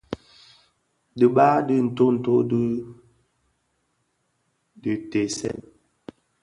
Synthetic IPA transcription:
di˨ɓa˦di˦n̩˨to˦n̩˨to˦di˦ | di˨te˨sɛ̰˦˨n

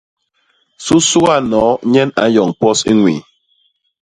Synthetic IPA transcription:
su˦su˦ɣa˦˨nɔ˨˦ɲɛ˦na̰˨˦jɔ˨ŋpɔ˦sḭ˦ŋwḭ˨

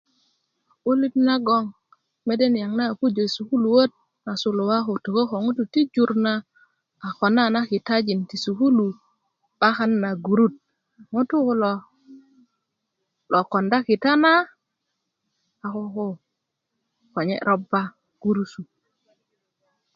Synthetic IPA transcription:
u˦li˦tna˦ɡo˦ŋ | me˦de˦nja˨ŋna˦˨ku˦d͡ʒo˨su˨ku˦lu˨wo˦t̚ | na˨su˨lo˨wa˦xo˨to˨ko˦ko˨ŋu˦tu˨ti˦d͡ʒu˨ɾna˦ | a˨xo˨na˦na˦ki˨ta˦d͡ʒi˨nti˨su˨ku˦lu˨ | ɓ̥a˦xa˦nːa˨ɡu˨ɾu˦t̚ | ŋu˦tu˦ko˦lo˨ | lo˨ko˨nda˦ki˨ta˦na˦ | a˨ko˦ko˦ | ko˨ɲḛ˦ɾo˦bːa˦ | ɡ̥u˦ɾu˦su˨

